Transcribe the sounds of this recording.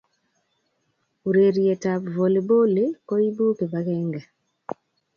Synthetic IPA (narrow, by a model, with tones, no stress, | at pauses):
u˨ɾe˨ɾje˨ta˨pvo˨le˨bo˦le˦kɔ˦i˦bu˦ke˨ba˦ɣɛ˦ŋɡɛ˨